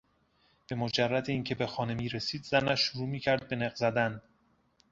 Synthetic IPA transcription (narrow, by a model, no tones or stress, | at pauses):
b̥e̞mod͡ʒærːæd̪eiːncʲʰe̞be̞xɒːne̞miːɾe̞siːd̪zænæʃːoɾuːmiːcʰæɾd̪̚be̞neɣzæd̪æn